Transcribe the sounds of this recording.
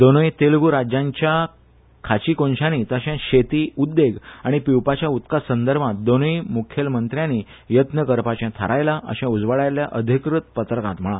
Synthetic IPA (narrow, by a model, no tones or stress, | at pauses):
d̪onojt̪elɡuɾad͡ʑãɲt͡ɕja | kʰat͡ɕiːkonɕãniːt̪əɕãɕet̪iːud̪ːeɡaɽ̃ipiwpat͡ɕjaut̪kasənd̪əɾbʱãt̪̚d̪onojmukʰjəlmənt̪ɾjãniː | jət̪nəkəɾpat͡ɕjãt̪ʰə̰ɾajlaʔə̰ɕãud͡zʋəɭajljaʔəd̪ʱikɾut̪pət̪ɾəkãt̪m̤əɭa